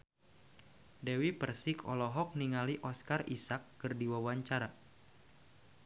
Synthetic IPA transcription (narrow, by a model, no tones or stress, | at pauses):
dɛwipərsikʰɔ̰lɔɦɔk̚niŋaliʔɔskarḭsakːɨrdiwawaɲt͡ʃaɾa